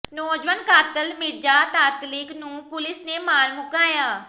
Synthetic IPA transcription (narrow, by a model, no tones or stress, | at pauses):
noːd͡ʒʋənkaːt̪əlmɪd͡ʒaːt̪aːt̪lɪknũːpʊlɪsneːmaːnmʊkaːjaː